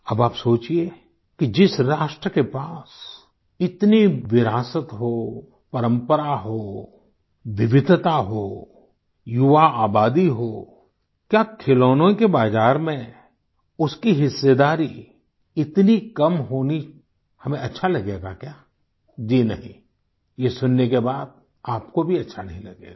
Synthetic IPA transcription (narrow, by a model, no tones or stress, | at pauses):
ɐbaːpsoːt͡ʃie | kid͡ʒɪsɾaːʃʈɾəkepaːs | ɪt̪niʋɪɾaːsət̪ɦo | pɐɾə̃mpəɾaɦoː | ʋɪʋɪd̪ʱt̪aɦoː | jʊʋaaːbaːd̪iɦoː | kjaːkʰɪloːnõkebaːzaːɾmẽ | ʊskiɦɪsːed̪aːɾi | ɪt̪nikɐmɦoːni | hɐmẽɐtːʃʰalɐɡeːɡa̰kjaː | d͡ʒiːnɐɦĩ | jesʊnːekebaːd̪̚ | aːp̚kobʱiɐtːʃʰanɐɦĩlɐɡḛːɡa